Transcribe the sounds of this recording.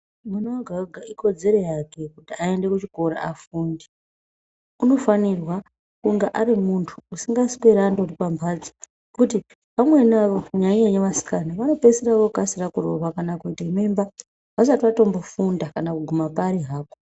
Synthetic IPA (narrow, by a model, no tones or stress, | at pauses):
munoaɡʱaɡʱaiko̞d͡ze̞ɾo̞jake̞kutiae̞nde̞kut͡ʃiko̞ɾa̰afundi | uno̞fanirwa | kuŋɡaʔaɾimuntʰuːsiŋɡasi̥keɾandoripambʰʱad͡zi̥ | kuti | pamwe̞naʋo̞ɲaɲeɲeʋasi̥kanaʋano̞peseɾaʋokukasirakuro̰ʋakanakuitaimemba | ʋasatiʋato̞mbo̞fundakanakuɡʱumapaɾiɦaːko